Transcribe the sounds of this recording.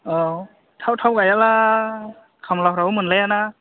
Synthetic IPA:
ɔ | tʰawtʰawɡajala | kʰamlawhɾaɯmɯnlajana

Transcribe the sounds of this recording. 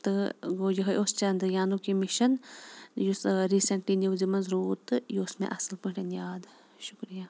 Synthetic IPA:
t̪ɨɡoːd͡ʒɐɦɐʔost͡ʃɐnd̪ɨjaːnukimɪʃɐnjusɾiːsɐɳʈliːnjuwzimɐnzɾuːt̪jismḛ̃ʔɐsɐlpuʈɐnjaːd̪ | ʃʊ̥kɾijaː

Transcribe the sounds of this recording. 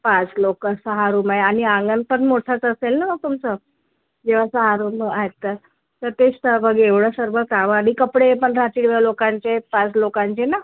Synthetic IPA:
pãt͡slokəsəɦaɾuːmaɦeaɽ̃iãŋɡənpəɳmoʈʰat͡səselnaməɡ̚t̪umt͡sə | d͡ʑeʋ̤asəɦaɾumaɦet̪ːəɾ | t̪əɾt̪eɕt̪əbʱəɡeʋɽəsəɾbʱəkaʋəaɽikəpɽepəɳɾat̪iɽʋalokãɲt͡ɕepãt͡slokãɲt͡ɕena

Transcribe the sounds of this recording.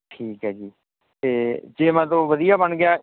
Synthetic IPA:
ʈʰiːkɦɛːd͡ʒiː | t̪eːd͡ʒeːmɛ̃ːt̪̬õːʋəd̪ijaːbəɳɡɪjaː

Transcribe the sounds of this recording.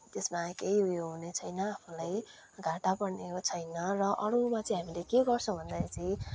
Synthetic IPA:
t̪esmakejɦujoɦunet͡sʰʌjnʌapʰulaj | ɡʱaʈapʌɽneot͡sʰʌjnʌrʌʔʌɾumat͡sʌĩɦamilekeɡʌrt͡sʰʌ̃bʱʌnd̪ajt͡sʌĩ

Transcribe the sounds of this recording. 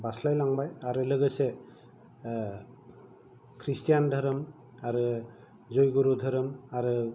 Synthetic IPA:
baslajlaŋbajaɹuləɡɯsɛ | kʰɹistijandʱɔɾɔm | aɾu | zojɡuɾudʱɔɾɔmaɹu

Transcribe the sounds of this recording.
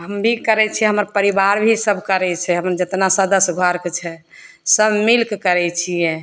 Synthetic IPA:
ɦəmbʱikəɾɛt͡ʃʰiɛɦəməɾpəɾibaɾbʱisəbʱkəɾɛt͡ʃʰɛɦəməɾd͡ʒət̪nasəd̪əsɡʱəɾkt͡ʃʰɛ | səbmilkkəɾɛt͡ʃʰijɛ̃

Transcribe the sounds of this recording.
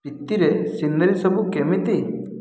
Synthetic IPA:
pit̪ːiɾesind̪ɐɾisɔbʱukemit̪i

